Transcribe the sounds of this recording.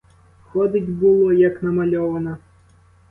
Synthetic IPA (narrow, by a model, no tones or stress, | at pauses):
xɔd̪ɪtʲbulˠɔjɐknɐmɐlʲɔʋɐnɐ